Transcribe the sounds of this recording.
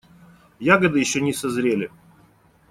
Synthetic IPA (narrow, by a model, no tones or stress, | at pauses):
jaɡəd̪ɨjɪɕːɵnʲɪsɐzɾʲelʲɪ